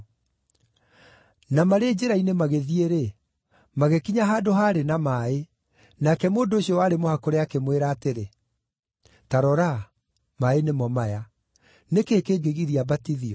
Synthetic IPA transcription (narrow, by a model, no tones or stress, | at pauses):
namaɾed͡ʑeɾainemaɣeðieɾe | maɣekiɲaɦaːdoɦaːɾenamae | nakɛmoːndoːɕiɔwaɾemohakoɾeakemweɾaːteɾe | taɾɔɾa | maenemɔmaja | nekeːkeːɡeɣiɾiabatiðiɔ